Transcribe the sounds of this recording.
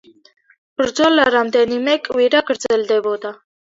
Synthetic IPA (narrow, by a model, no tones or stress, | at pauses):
bəɾd͡zɔlːaɾamd̪ɛnimɛkʼwiɾaɡəɾd͡zɛld̪ɛbɔd̪a